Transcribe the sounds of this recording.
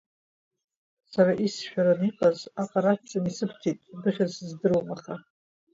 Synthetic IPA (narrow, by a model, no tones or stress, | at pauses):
saɾaʔisʃᶣaɾaniqʼazaqʼaɾatt͡sʼanisɨpʰtʰitʼbɨχʲazzdɨɾwmaχa